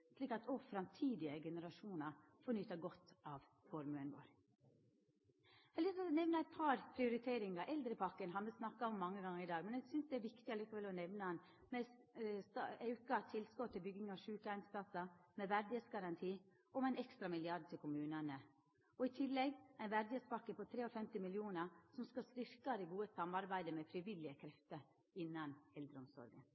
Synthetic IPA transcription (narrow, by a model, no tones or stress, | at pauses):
sliːkɑt̪ʰɔfɾɑmt̪ʰiːd̪ɪəɡɛnəɾɑʂuːnɑ | fɔnyːt̪əɡɔt̪ːɑʋ | fɔɾmʉənʋo̰ːɾ | hɛlɪssnɛʋnəæɪt̪̚pʰɑɾpʰɾɪʊɾɪt̪ʰeːɾɪŋɑʔɛld̪ɾəpʰɑkːənɦɑnʋəsnɑkːɑɔmːɑŋːəɡɑŋːəɾɪd̪ɑːɡmɛnæɡsʏnsd̪ɛæɾʋɪkt̪ɪɑlɪːkəʋɛlɔnɛʋnəhɑn | mɛsst̪ɑœʉkɑt̪ʰɪlskɔt̪ʰːɪlbʏɡːɪŋɑʋʂʉːkəæɪnspʰlɑsəmɛʋæɾd̪et̪sɡɑɾɑnt̪ʰiː | ʔɔmæɪnɛkst̪ɾɑmɪlɪɑɖ̚t̪ʰɪlkʰʊmʉːnənə | ɔɪt̪ʰɪlːɛɡæɪnʋæɾd̪ɪet̪spʰɑkːəpʰɔt̪ʰɾeːɔfɛmt̪ɪmɪljuːnəsɔmskɑst̪ɪɾkɑd̪ɛɡuːəsɑmːɑɾbæɪd̪əmɛfɾɪʋɪlɪəkʰɾɛft̪əɾ | ɪnːɑnɛld̪ɾəʊmsɔ̰ɾɡə̰n